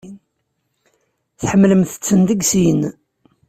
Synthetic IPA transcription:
θħəmːləmθə̥t͡sːənd̪əɡsiən

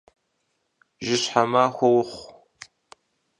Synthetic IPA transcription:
ʒɪɕħamaxʷɔwʊχʷ

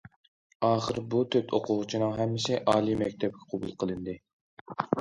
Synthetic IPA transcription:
ɑːχəɾbut̪ʰøp̪ʰoqʰʊʁʊt͡ʃʰinɨŋɦɛmːɪsɪʔɑːlˠimɛkʲt̪ʰɛp̚kʲɛ̥qʰobṵlˠqʰəlˠɨnd̪ɨ

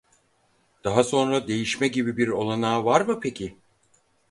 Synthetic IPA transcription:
d̪̥aɦaso̞nɾad̪e̞jiʃmɛɟibibiɾo̞lˠanaːvaɾmɯpʰecʰɪ

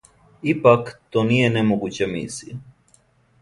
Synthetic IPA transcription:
ipakt̪oːnijenemoɡut͡ɕemḭsi

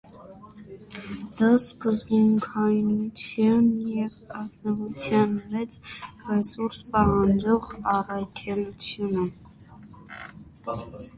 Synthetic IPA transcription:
d̪̥ɑskəzbuŋkʰɑjnut͡sʰjɑnjɛvɑznɔvut͡sʰjɑnmɛt͡srɛsuɾspɑvɑnd͡ʒɔʁɑrɑkʰɛlut͡sʰjunə

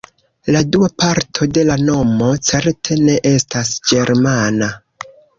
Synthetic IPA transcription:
laduapaɾtʰo̞de̞lano̞mo̞t͡se̞ɾtʰe̞ne̞ʔe̞stasd͡ʒe̞ɾmana

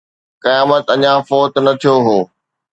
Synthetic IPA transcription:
kijaːmət̪ɐɲãfoːt̪nɐt̪ʰijoɦoː

